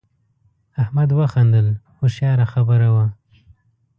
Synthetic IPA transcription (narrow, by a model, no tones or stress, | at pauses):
ahmad̪waxand̪əlxoʃjɑɾaxabəɾawa